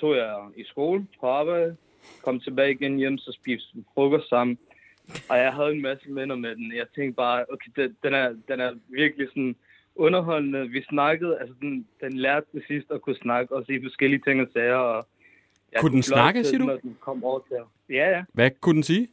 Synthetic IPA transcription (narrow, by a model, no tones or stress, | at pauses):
t͡sʰo̝̰ːjɑɪisɡ̥o̝̰ːln̩pʰɒ̽ɑ̈ːb̥ɑ̈ɪdð̥̩ˠ | kʰɒ̽m̰t͡sʰe̝b̥ɛːɪiɡ̥enjem̰sɒ̽sb̥ḭːsdn̩fʁɔɡ̥ɐssɑ̈m̰n̩ | ʔɒ̽jɑ̈ɪɦæð̞ˠenmæsəmen̰ɐmed̥enjɑ̈ɪt͡sʰeŋ̰ɡ̥d̥̚b̥ɑ̈ːokʰeɪd̥ed̥enæɐd̥enæɐʋiɐɡ̥lisɒn | ʔɔ̽nɐɦɒ̽l̰nəʋisnɑ̈ɡ̥əð̞̩ˠæls̬əd̥end̥enlæɐ̰d̥̚t͡sːʰe̝sisd̥ɒ̽kʰusnɑ̈ɡ̥əɒ̽sifɒ̽sɡ̥el̰iət͡sʰe̝ŋ̰ɒsɛɪɐɒ̽ | jɑkʰud̥enslnɑɡ̥əsiɐdnɒd̥enkʰɒ̽m̰ɒːɐt͡sʰe | jæjæʋækʰud̥ensiː